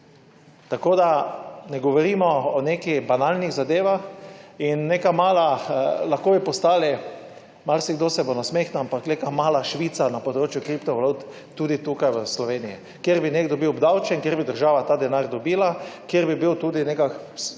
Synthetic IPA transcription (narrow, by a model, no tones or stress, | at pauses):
t̪akod̪anɛɡɔʋɔɾiːmɔɔnekibanalniɣzad̪eːʋaxinːekamaːlalaxkoːbipɔst̪aːli | maɾsiɡd̪osɛbonasmexnuampaknekamaːlaʃʋiːt̪sanapɔd̪ɾoːt͡ʃjʊkɾipt̪ɔʋalut̪ː | uːd̪it̪ukajʋəslɔʋeːnijḭ | kjeɾbineɡd̪ɔbiwɔbd̪awt͡ʃɛŋkjeɾbid̪əɾʒaːʋat̪aːd̪ɛnaɾd̪ɔbiːlakjeɾbibiwt̪uːd̪inekak